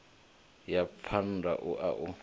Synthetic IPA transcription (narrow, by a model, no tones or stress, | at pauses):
japʰandʱa̰ʔuʔa̰ʔu